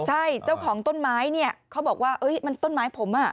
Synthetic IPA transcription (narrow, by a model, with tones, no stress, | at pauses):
t͡ɕʰa˥˩jt͡ɕa˥˩wkʰɔː˩˦ŋt̪o˥˩nmaː˦˥jni˥˩ɐkʰa˦˥bɔː˨˩k̚waː˥˩ʔɤ˦˥jma˧nt̪o˥˩nmaː˦˥jpʰo˩˦mʔa˥˩